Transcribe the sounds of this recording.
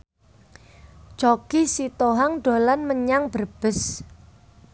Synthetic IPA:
t͡ʃoɡ̥isit̪oɦaŋɖ̥o̤lanməɲaŋb̥ərb̥ə̤s

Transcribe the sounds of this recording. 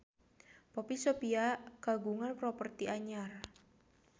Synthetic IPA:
popisopiakaɡuŋanpɾɔpərt̪iʔaɲar

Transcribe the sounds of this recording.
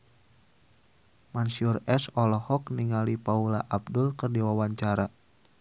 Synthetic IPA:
mansiurɛsɔlɔhɔkniŋalipaulaʔab̚dulkɨrdiwawaɲt͡ʃaɾa

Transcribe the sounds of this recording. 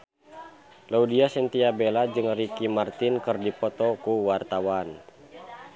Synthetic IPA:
laudiasint̪iabelad͡ʒɨŋrikimart̪inkɨrdipɔt̪ɔkuwart̪awan

